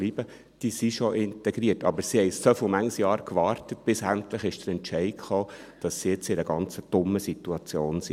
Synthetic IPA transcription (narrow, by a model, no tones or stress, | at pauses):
liːbə | d̥isiʃoʔɪntɛɡɾiətɑ̰bəɾsihɛɪsofɪlmæŋsjɑːɾkʋɑːɾtət̚b̥ɪsæntləχɪʃd̥əɾɛnt͡ʃɛɪχoː | d̥ɑsːijɪt͡sɪɾəɡɑnt͡səd̥ʊmːəsituɑt͡sjoːnsi